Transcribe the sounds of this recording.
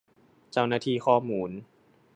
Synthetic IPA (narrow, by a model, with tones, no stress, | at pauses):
t͡ɕa˥˩wnaː˥˩t̪ʰiː˧xʰɔː˥˩muː˧˦n